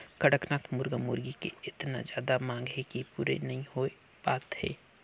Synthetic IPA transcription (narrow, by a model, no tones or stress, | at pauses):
kɐɽəknaːt̪ʰmʊɾɡamʊɾɡikḛɪt̪na̰zjaːd̪amãːŋɡɦekipuːɾḛnɐɦĩhoe | baːt̪hɛ̰ː